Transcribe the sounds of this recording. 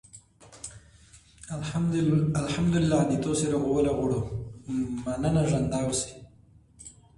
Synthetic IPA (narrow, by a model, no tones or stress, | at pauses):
alħamd̪ʊlɪlːad̪it̪oseɾaɣowəlaɣoɽo | manənaʒand̪ɑwsi̥